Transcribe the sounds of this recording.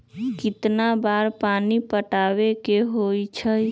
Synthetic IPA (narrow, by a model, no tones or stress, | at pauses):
kɪt̪nabaɾpanipəʈaʋekeɦojt͡ʃʰəj